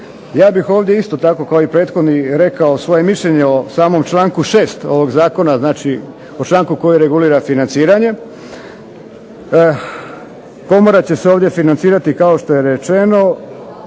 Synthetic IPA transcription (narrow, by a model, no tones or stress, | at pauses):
jaːbixo̞ːʋd̪jeist̪o̞t̪ako̞kaoipɾeːt̪xo̞d̪niɾe̞kaosʋo̞je̞miʃʎeɲeosaːmo̞mt͡ʃlˠaːŋkuʃe̞ːst̪o̞ʋo̞ɡzaːko̞naznaːt͡ʃi | ot͡ʃlˠaːŋkuko̞jeɾe̞ɡuliːɾafinant̪siːɾaɲe̞ | ko̞moɾat͡ɕe̞seo̞ːʋdje̞finant̪siːɾat̪ikao̞ʃt̪o̞je̞ɾet͡ʃe̞no̞